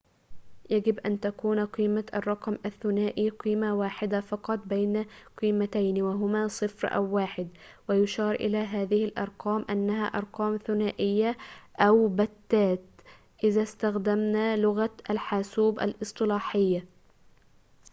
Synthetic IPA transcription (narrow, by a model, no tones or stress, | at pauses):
jaɡɪbʔa̰nt̪akuːnʔɑqiːmaʔɑ̰rˤːɑqɑmʔaθːʊnaːʔiːqiːmawaːħɪd̪afɑqɑt̪ˤbajnaqiːmat̪ajnwaɦʊmaːsˤɨfɾʔa̰wːaːħɪd̪wɪjʊʃɑːɾˤʔɪ̰laːɦaːðɪhɪlʔɑ̰ɾˤqɑːmʔanːaɦa̰ːʔɑɾˤqɑːmθʊnaːʔɪjːaʔawbat̪ːaːt̪ | ʔɪðast̪axd̪amnaːlʊɣaʔalħaːsuːbʔa̰lʔɨsˤt̪ˤɨlɑːħɪjːa